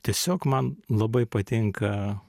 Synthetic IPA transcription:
t̪ʲiɛsʲoːkmɐnlˠɐbɐɪpɐt̪ʲɪŋkɐ

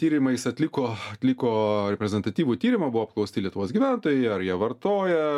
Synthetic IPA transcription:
t̪ʲiːɾʲɪmɐɪsɐt̪ʲlʲɪkoːɐt̪ʲlʲɪkoːɾʲɛpʲɾʲɛzʲɛnt̪ɐt̪ʲiːʋuːt̪ʲiːɾʲɪmɐbʊʋoːp̚klˠɐʊsʲt̪ʲɪlʲiɛt̪ʊʋoːsɡʲiːʋʲæˑnt̪oːjɛɪɐɾjiɛʋɐrt̪oːjɛ

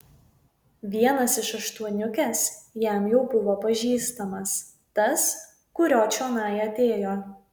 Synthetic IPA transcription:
ʋʲiɛnɐsɪʃɐʃt̪uɔnʲʊkʲɛsjæˑmjɛʊbʊʋoːpɐʒʲiːst̪ɐmɐs | t̪ɐs | kʊɾʲoːt͡ʃʲoːnɑːjɛɐt̪ʲeːjoː

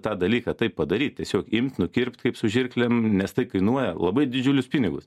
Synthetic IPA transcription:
t̪ɑːd̪ɐlʲiːkɐːt̪ɐɪppɐd̪ɐɾʲiːt̪̚ʲtʲiɛsʲoːkɪmʲt̪ʲnʊkʲɪɾpʲt̪kɐɪpsʊʒʲɪrʲklʲɛmnʲɛst̪ɐɪkɐɪnuɔjɛlˠɐbɐɪd̪ʲɪd͡ʒʲʊlʲʊspʲɪnʲɪɡʊs

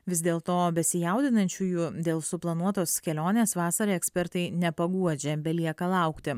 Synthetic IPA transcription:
ʋʲɪzʲd̪ʲeːlˠt̪oːbʲɛsʲɪjɛˑʊd̪ʲɪnɐnʲt͡ʃʲujud̪ʲeːlˠsʊplˠɐnuɔt̪oːskʲɛlʲoːnʲeːsʋɑːsɐɾʲeɛksʲpʲɛɾt̪ɐɪnʲɛpɐɡuɔd͡ʒʲɛbʲɛlʲiɛkɐlˠɑˑʊkt̪ʲɪ

